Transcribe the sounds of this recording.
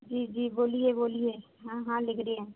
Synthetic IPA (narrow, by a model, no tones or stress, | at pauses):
d͡ʒiːd͡ʒiːboːlieboːlieː | ɦãɦãːlɪkʰɾeɛ̃ː